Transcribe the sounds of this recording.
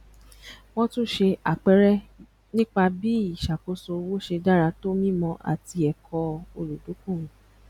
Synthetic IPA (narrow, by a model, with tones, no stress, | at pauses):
w̃ɔ̃˦tũ˦˨ʃe˧a˨k͡pɛ˦ɾɛ˦ | nĩ˦k͡pa˧bi˦i˦˨ʃa˨ko˨˦so˧wo˦ʃe˧da˦ɾa˧to˦mĩ˦mɔ̃˧ʔa̰˨ti˧ɛ˨kʰɔ˧o˧lu˨do˨˦kũ˦˨wũ˨